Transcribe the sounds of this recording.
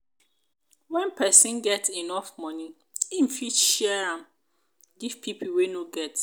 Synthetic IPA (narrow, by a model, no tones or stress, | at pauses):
wɛ̃npʰɛsĩnɡɛtinɔfmɔ̃nĩ | im̩fiʃiɛɹãm | ɡiv̥pʰipʰlwenoɡɛt